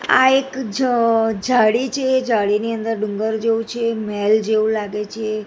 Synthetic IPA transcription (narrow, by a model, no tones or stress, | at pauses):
a̰ekd͡ʒd͡ʒaɽit͡ʃʰed͡ʒaɽiniənd̪əɾɖuŋɡəɾd͡ʒeũt͡ʃʰemɛld͡ʒeʋũlaɡet͡ʃʰe